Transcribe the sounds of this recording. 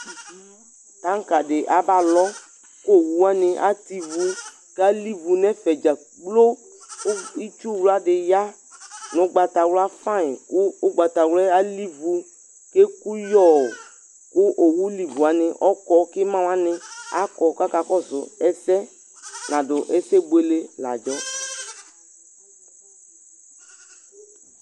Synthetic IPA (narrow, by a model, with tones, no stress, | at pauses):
ta˦ŋ˦ka˨dɪ˨ʔa˨ba˨lɔ˦ | ko˦˨wu˦a˦nɪ˧ʔa̰˦ti˦vu˦ | ka˦li˦vu˨nɛ˦fɛ˨d͡ʒa˨ | ɡ͡blo˦ | i˦t͡ʃu˦wla˦dɪ˨ja˦ | nʊ̃˦ɡ͡ba˨ta˨wla˦fã˦ɪ˨kʊ˦ʊ˦ɡ͡ba˨ta˨wlɛ˦a˦li˦vu˧ | ke˦ku˦jɔ˦˨ | kʊ˦ʔo˨wu˦li˨vu˨a˨nɪ˨ʔɔ˦kɔ˦kɪ˦mã˦wa˦nɪ˦a˨˦kɔ˨ka˦ka˨kɔ˦zʊ˨ɛ˦sɛ˦ | nã˨dʊ˨ʔɛ˦sɛ˦bo˦e˦le˦la̰˨d͡ʒɔ˦